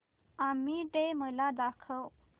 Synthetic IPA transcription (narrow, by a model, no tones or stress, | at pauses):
amiʈ̪eməlad̪akʰəw